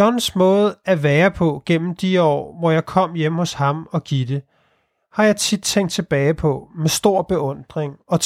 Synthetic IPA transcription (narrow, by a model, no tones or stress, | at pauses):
ɒnsmɔ̽ːð̩ˠæʋæːɐpʰɒ̽ɡ̥en̰m̩d̥iɒ̰ːʋɒjɑ̈ɪkʰɒ̽m̰jemhɔ̽shɑ̈mɒ̽ɡ̥id̥e̝ | hɑ̈jɑ̈ɪt͡sʰid̥̚t͡sʰeŋ̰ɡd̥̚t͡sʰe̝b̥ɛːɪpʰɒ̽mesd̥o̝ɐ̰b̥e̝ɔ̽n̰d̥ʁeŋɒ̽t͡s